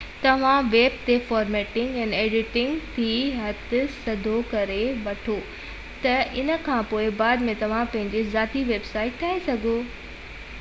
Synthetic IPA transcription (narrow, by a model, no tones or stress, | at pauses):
t̪ɐʋ̤ãʋeːb̚t̪efaːɾmeːʈɪ̃ŋɡɛ̃ːneːɖɪʈɪ̃ŋɡt̪ʰiːɦɐt̪ɪsɐd̪ʱokɐɾeʋɐʈʰo | t̪ɐʔɪnə̆kʰãːpoːɪbaːd̪mẽt̪ɐʋ̤ãpɐ̃ɦɪ̃ɲd͡ʑezaːt̪iʋeːbsaːɪʈ̚t̪ʰːaːesɐɡʱo